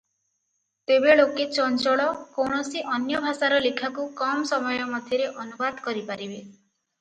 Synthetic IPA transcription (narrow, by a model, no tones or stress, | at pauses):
t̪ebeɭoket͡ʃɔnt͡ʃɔɭɔkowɳ̃ɔsiʔɔnjɔbʱasaɾɔlikʰakukɔmsɔmɔjɔmɔd̪ʱjɔɾeʔɔnubad̪ʱkɔɾipaɾibe